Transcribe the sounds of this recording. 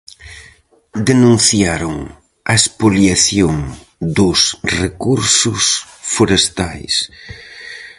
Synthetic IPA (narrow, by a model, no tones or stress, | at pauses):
d̪enũn̟θjaɾʊŋ | ɐespoljaθjoŋ | d̪ʊsrekuɾsʊsfoɾest̪ajs